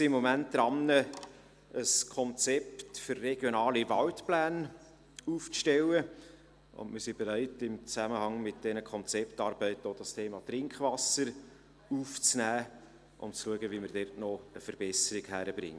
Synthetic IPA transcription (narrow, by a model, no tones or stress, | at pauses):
siɪmːɔmænt̚d̥̪ɾɑnːə | əskʰɔnt͡sɛptfʏrːɛɡ̥jonɑːlivɑltplæːn | uːft͡sʃtɛlə | ʊ̰nmɪɾsib̥eɾæɪtɪmt͡sæməhɑŋmɪt̚d̥ɛnəkʰɔnt͡sɛptɑːɾb̥ɛɪtəod̥ɑstʰeːmɑt̪rɪŋkχvɑsəɾ | uːft͡snæː | ʔʊ̰mt͡sluəɡəviməɾdɛrtnɔəfəɾb̥ɛsəɾɪɡhæɾəb̥ɾɪ̰ŋ